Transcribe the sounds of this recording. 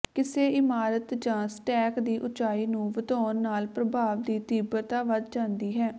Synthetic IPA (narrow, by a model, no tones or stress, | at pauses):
kɪseːɪmaːɾət̪d͡ʒãːsʈɛːkd̪iːʔʊt͡ʃaːiːnũːʋət̪ɔːnːaːlpɾəbʱaːʋd̪iːt̪iːbət̪aːʋəd̪d͡ʒãːnd̪iːɦɛː